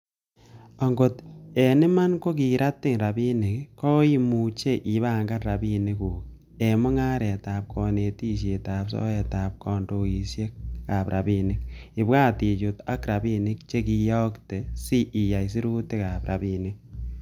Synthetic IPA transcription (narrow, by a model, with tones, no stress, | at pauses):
ɔ˨ŋɡo˨te˨nɪ˦ma˦nko˦k̬i˨ɾʔa˦tːɪ˦ŋɾa˨bi˦nɪ˨kkɔ˦i˦mu˨t͡ʃe˦˨ʔi˨βa˨ŋɡa˦ɾa˨bi˦ni˦ku˨k | e˨mʊ˦ŋa˦ɾɛ˨taː˨p̚kʰɔ˨ne˨ti˦ʃ̬e˨taː˨psɔ̰˦ɛ˨ta˨p̚kɔ˨ndo˨i˨sje˦k̚ka˨pɾʔa˨bi˦nɪ˦k̚ɪ˨baː˦ti˨t͡ʃo˨ta˦kɾa˨bi˦nɪ˦k̚t͡ʃe˦ki˧jɔ˦kte˨si˦ʔi˨a˨js̬i˦ɾu˦te˦ka˨pɾa̰˨bi˨nɪ˦k̚